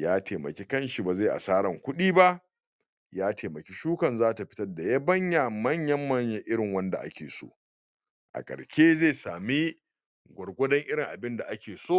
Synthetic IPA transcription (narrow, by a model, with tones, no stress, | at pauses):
jaː˦teː˨mɐ̰˨kʲe˦kɐ˦nʃi˨ba˨za˦˨ʔa̰˨saː˦ɽɐ˨ŋkʷʊ˦ɗiː˦ba˦ʔ | jaː˦teː˨mɐ˨kʲe˦ʃuː˦kɐ˨nzaː˦ta˨ɸɪ˦tɐ˦rda˨ja˦bɐ˦ɲja˨mɐ˦ɲjɐ˦mːɐ˦ɲjɐ˦ʔɪ˦ɽɪ˨ŋwɐ˦nda̰˨ʔa̰˦kʲeː˨so̰ː˦ | ʔa̰˨kʼɐ̰˨ɽʃʲeː˦zeː˦˨saː˨mi˦ | ɡʷɐ˨ɽɡʷɔ˦dɐ˦ŋʔɪ˦ɽɪ˨ŋʔa˨bɪ˦nda˨ʔa˦kʲeː˨soː˦